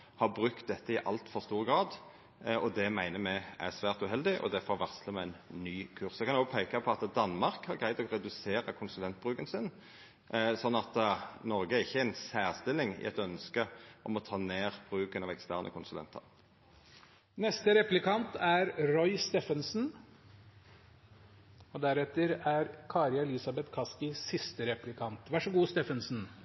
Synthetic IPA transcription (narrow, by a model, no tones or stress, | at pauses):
hɑʁbʁʉkt̪̚d̪ɛt̪ːəɪʔɑ̰lt̪fɔʁst̪uːʁəɡɾɑːd̪ | ɔd̪ɛmæɪnəmɛæ̰ʁsʋæːʁt̪ʉɦɛld̪ɪʔɔ̰d̪ɛfɔʋɑʁsləmɛæɪnnyːkʰʉʁsɛkʰɑnoːɡpʰæɪkɑpʰɔɑt̪d̪ɑnmɑʁkhɑɾɡɾæɪd̪ɔɾɛd̪ʉseːɾɑkʰʊnsʉlɛnt̪̚bʁʉːkənsɪn | sɔnːɑt̪nɔɾɡəæʁɪçːəæɪnsæːʁst̪ɪlːɪŋɪ̰ʔɛ̰t̪œnskəʔɔmɔt̪ʰɑːneːʁb̥ʁʉːknɑʋɛkst̪æːʁnʔə̰kʰʊnsʉlɛ̰nt̪ʰɑ̰ʁ | nɛst̪əɾɛplɪkɑnt̪æɾɾɔʏst̪ɛfənsn̩ | ɔd̪æɾɛt̪ːəɾæɾkʰɑːɾjɑɛlɪsɑbɛt̪kʰɑskɪsɪst̪əɾɛplɪkʰɑnt̪ʋæʂɔɡuːst̪ɛːfənsn̩